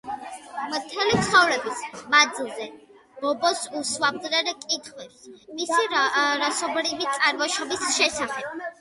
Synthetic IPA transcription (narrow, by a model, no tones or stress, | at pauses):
mɾt̪ʰɛlit̪χavɾɛbismad̪zilˠzɛ | bɔbɔsuswab̚d̪ɾɛɾkʼit̪ʰχwɛpsmisiɾasɔbɾivit̪sʼaɾvɔʃɔbisʃɛsaχɛb̥̚